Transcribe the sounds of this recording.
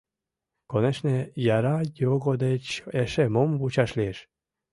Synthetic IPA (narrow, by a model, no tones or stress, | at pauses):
koneʃnejɑɾɑjoɣod̪et͡ɕeʃemomβut͡ɕɑʃlieʃ